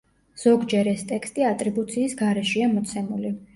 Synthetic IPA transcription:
z̥ɔɡd͡ʒɛɾɛst̪ʼɛkst̪ʼiat̪ʼɾibut̪sʰiːsɡaɾɛʃiamɔt̪sʰɛmuli

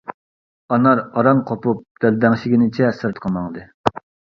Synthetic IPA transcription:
ɑnɑɾɑɾɑnqʰopup̚d̪̥æld̪ɛŋʃɪɡʲinɪt͡ʃʰɛsɨɾt̪qʰɑmɑŋd̪ɨ

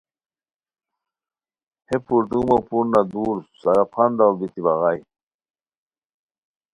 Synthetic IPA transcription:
hepuɾt̪umapuɾnad̪uːɾsaɾapʰand̪awbit̪ibaɣaj

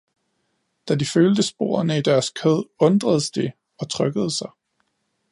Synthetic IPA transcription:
d̥ædiføːld̥əsb̥o̝̰ːɐɐnəid̥æɐskʰɛð̰ˠɔ̽nd̥ʁɐðˠəsd̥e̝ | ɒ̽t͡sʰʁœɡ̥əð̞ˠəsɑ̈ɪ

